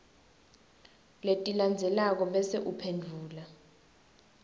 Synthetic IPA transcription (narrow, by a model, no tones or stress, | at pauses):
letʼiland͡zʱɛlak̬ɔɓɛseʔupʰendʱuːla